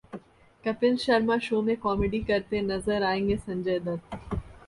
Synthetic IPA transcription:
kɐpɪnʃɐɾmaʃoːmẽkɔːmeɖikɐɾt̪enɐzəɾaːẽːŋɡesɐ̃ɲd͡ʒəjd̪ɐɾ

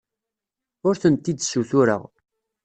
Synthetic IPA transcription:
ʊɾθənt̪ːid̪suθʊɾə̰ʁ

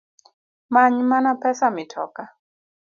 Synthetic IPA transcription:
maɲmanapɛsamɪtʰɔ̰ka

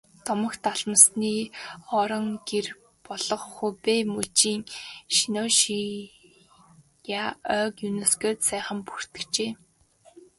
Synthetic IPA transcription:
t̪ɔmɞ̆kt̪ʰaɮə̆msniːɔɾɞ̆ŋɡer | pɔɮɞ̆χχupemɵt͡ɕiːŋʃinoʃi | jaœːkjuneskĕt̪sæːχə̆mpur̥t̪ɘ̆kt͡ɕeː

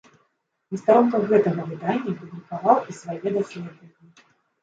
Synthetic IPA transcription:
nʲist̪aɾɔnkɐɣɛt̪ɐɣɐvɨd̪anʲːɐpɨb̪lʲikavawisvajɛd̪asʲlʲɛd̪vɐnʲːi

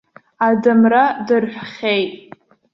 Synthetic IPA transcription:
adɨmradɨrħʷᶣχʲejtʼ

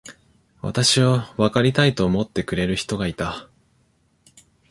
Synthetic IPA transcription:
βa̰t̪aɕiβaβakaɾʲit̪ait̪o̞ːmo̞t̪ːe̞kɯ̟ɾe̞ɾɯ̟çi̥t̪o̞ɡait̪a

